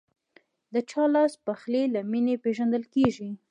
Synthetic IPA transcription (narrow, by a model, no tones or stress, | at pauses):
d̪ət͡ʃɑlɑspaxlelaminepeʒand̪əlkeʒi